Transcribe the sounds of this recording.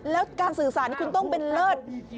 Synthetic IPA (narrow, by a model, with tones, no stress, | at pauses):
lɛː˨˦˥wkaː˧˩ŋsɨː˨˩saː˨˩˦n˧˦kwŋt̪o˧˩ŋ͡mɓe˧˨nləː˧˩t̪̚